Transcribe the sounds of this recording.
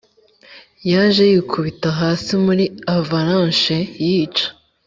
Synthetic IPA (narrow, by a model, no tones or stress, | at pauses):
jaʒe̞jikʰuβitaɦaːsimuɾiavaɾãnʃejiːt͡ʃḁ